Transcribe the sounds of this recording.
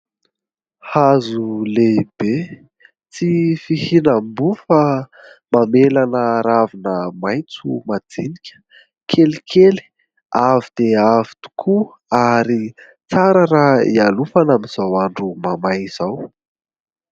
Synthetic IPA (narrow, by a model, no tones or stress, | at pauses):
hazuleib̥e | t͡sifihinambufa | mamelanəɾavinəmajnt͡sumad͡zinikʲə̥ | kʰelikʰeli̥ | avid̪̥eavi̥t̪u̥kʰu | aɾi | t͡saɾəɾaḭalufanamiz̥awaɳɖ͡ʐumamajz̥aw